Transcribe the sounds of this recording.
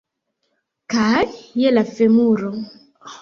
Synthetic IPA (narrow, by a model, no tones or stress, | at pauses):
kajɛlafɛmuɾɔ